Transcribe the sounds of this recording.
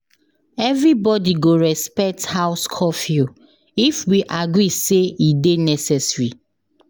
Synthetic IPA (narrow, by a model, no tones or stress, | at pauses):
ɛvɹibɔdiɡoɹɛspɛk̚thaʊskʰɔfju | ifwiʔaɡɹiseidenɛsɛsɹi